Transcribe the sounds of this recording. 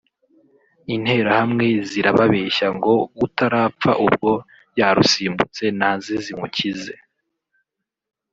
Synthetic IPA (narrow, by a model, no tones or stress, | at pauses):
in̥he̞ːɾahamŋe̞ziɾaβaβe̞ːʃaŋɡo̞βutaɾaːp͡faʔub̚ɡo̞ | jaɾusiːmbut͡se̞nanzizimucize̞